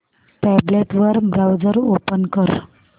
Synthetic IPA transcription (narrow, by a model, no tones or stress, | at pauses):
pɛbleʈʋəɾbɾawd͡zəɾopənkəɾ